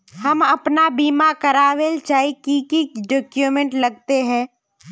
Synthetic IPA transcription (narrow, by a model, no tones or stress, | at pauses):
hɐmɐpnabiːmakɐɾaːwelt͡ʃaːikikiɖɔːkjumẽɳʈlɐɡ̚t̪eɦɛ̃ː